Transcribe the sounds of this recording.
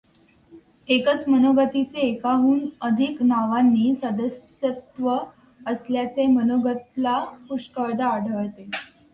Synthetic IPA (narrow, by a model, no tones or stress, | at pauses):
ekət͡smənoɡət̪it͡seːkaɦuːnəd̪ʱiknaʋanːiːsəd̪əsjət̪ʋə | əsljat͡semənoɡət̪lapuʂkəɭd̪aːɖʱəɭt̪e